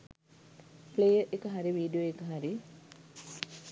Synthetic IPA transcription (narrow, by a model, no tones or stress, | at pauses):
plejəʔekəɦaɾiʋiːɖijoekəɦaɾi